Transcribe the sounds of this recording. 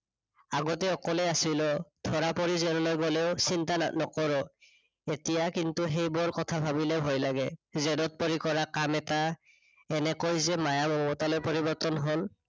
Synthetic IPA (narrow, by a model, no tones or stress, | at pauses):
aɡɔtɛɔkɔlɛasilɔtʰɔɹapɔɹizɛɾɔlojɡoleʊsintanɔkɔɹɔ | etijakintuɦejbɔɹkɔtʰabʱabilɛbʱojlaɡɛzɛdɔt̚poɹikɔɹakamɛta | ɛnɛkojzɛmajabɔɔbɔtalojpɔɹibɔɹtɔnɦol